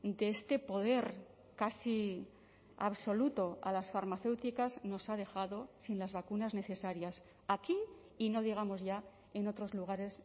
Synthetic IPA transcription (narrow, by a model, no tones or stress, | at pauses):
d̪e̞est̪e̞po̞ð̞e̞ɾ | kasi | a̰βso̞lut̪o̞a̰lasfaɾmaθe̞wt̪ikazno̞sað̞e̞xaðo̞sinlazβakunazne̞θe̞saɾjas | akiː | no̞ð̞iɣ̞amo̞zʝa | e̞no̞t̪ɾo̞zluɣ̞aɾe̞s